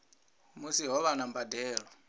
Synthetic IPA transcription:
musiɦɔβanambadɛːɺɔ

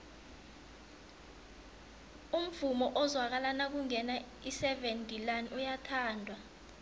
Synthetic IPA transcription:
um̩vumɔʔɔzwak̬alanak̬uŋɛna | isɛventʼilanʔujatʰaːndʱwa

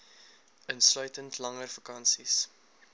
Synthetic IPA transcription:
ənslœɥtəntlɐŋərfɐkɐnsis

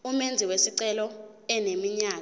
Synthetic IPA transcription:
umend͡zʱiwesiǀɛlɔ | ɛnemiɲaː

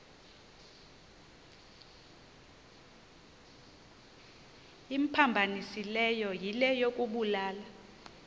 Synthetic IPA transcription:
im̩pʰambʱanisilɛjɔjilɛjok̬ʼuɓulaːla

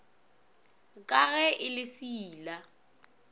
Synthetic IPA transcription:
kʼaɣɛʔɪlɪsiːla

